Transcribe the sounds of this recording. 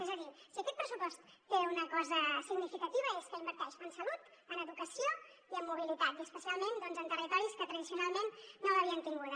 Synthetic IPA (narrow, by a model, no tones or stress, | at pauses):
ezəðisiəkɛt̪̚pɾəsupɔst̪ːeunəkɔzəsiɡnifikət̪iβ̞əeskəimbəɾt̪ɛʃənsəlut̪ | ənəðukəsio | iəmːuβ̞ilit̪at̪iəspəsialˠmẽnd̪ɔnzənt̪ərit̪ɔɾiskət̪ɾəðisiunalˠmenːoəβiənt̪iŋɡuðə